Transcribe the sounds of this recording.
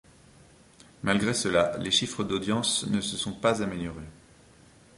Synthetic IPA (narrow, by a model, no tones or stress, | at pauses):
malɡʁesəlaleʃifχəd̪od̪jɑ̃snəsəsɔ̃pazameljɔʁe